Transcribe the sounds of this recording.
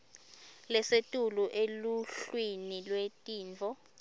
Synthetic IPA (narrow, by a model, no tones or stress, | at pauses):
lɛsetʼuluʔeluɬwinilwetʼiːnt͡fɔ